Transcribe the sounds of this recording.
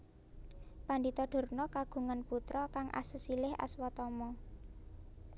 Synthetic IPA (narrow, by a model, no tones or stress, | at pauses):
pandit̪ɔɖ̥o̤rnɔkaɡ̥ṳŋanput̪ɾɔkaŋʔa̰səsilɪha̰swɔt̪ɔmɔ